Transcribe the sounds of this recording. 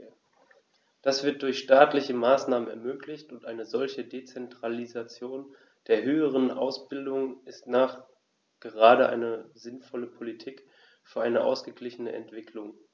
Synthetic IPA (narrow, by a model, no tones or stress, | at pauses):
d̥asv̥ɪɐt̚d̥ʊɐçʃtaːtlɪçəmaːsnaːmənɛɐmøːklɪçtʊntʔaɪnəzɔlçədet͡sɛntʁ̥alizat͡sjoːn | d̥eːɐɦøːəʁ̞ənʔa̰ʊsb̥ɪldʊŋnɪstnaːχ | ɡ̥əʁaːɾəʔa̰ɪnəzɪnfɔləpʰolitʰiːk | fyːɐʔaɪnəʔa̰ʊsɡ̥əɡlɪçənə̰ʔɛ̰ntv̥ɪkʰlʊŋ